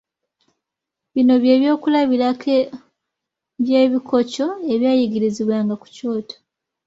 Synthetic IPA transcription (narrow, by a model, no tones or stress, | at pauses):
βino̞βje̞ːβjo̞ːkulaβiɾakʰe | βje̞ːβikʰo̞co̞e̞βjaːjiɡiɾiziβwaːŋɡaku̥co̞ːto̥